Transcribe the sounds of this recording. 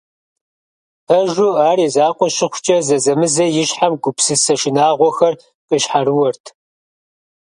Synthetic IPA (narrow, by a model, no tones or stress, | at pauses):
ɐʒʷʊaːɾiːzaːqʷɔʃɪχʷʊt͡ʃʼɐzɐzɐmɨzɐjɪɕħamɡʷʊpsɨsɐʃɪnaːʁʷɔxɐr | qʼəɕħarɨwɔrtʰ